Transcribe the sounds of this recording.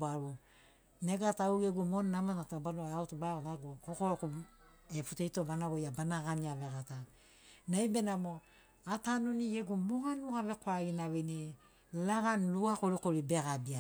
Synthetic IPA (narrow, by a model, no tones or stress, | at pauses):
baɾu | neɡatauɡeɡumonːamatatabaloautubaoɡaɡukokoɾku | eputejtobanaβojabanaɡaniaβeɡata | najbe̞namo | atanoniɡeɡumohanuhaβe̞koaɡinaβeni | laɡanluakoɾikoɾibe̞ɡabia